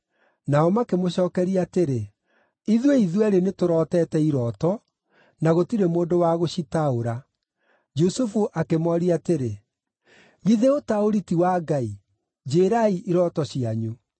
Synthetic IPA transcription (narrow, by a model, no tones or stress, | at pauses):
naɔmakemoɕɔːkɛɾiateɾe | iðweiðwɛɾenetoɾɔːtɛːtɛiɾɔtɔ | naɣotiɾemoːndowaɣoɕitaoɾa | d͡ʒusufuʔakemɔɾiateɾe | ɣiðeotaoɾitiwaːɡai | d͡ʒeːɾaiʔiɾɔtɔɕiaɲu